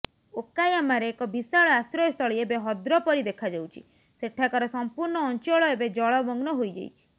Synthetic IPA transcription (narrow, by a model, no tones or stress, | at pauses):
okajamaɾeːkɔbisaɭɔasɾɔjɔst̪ɔɭiebeɦɔd̪ɾɔpɔɾid̪ekʰad͡ʒawt͡ʃʰḭ | seʈʰakɔɾɔsɔmpuɾɳɔːnt͡ʃɔɭɔebed͡ʒɔɭɔbɔŋɡnɔɦojd͡ʒa̰jt͡ʃʰi̥